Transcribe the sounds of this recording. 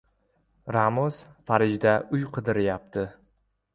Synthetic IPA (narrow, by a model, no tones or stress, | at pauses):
ɾamʊzfaɾɪd͡ʒd̪aʔʊjqʰɨd̪ɪɾɪjap̚t̪ʰɪ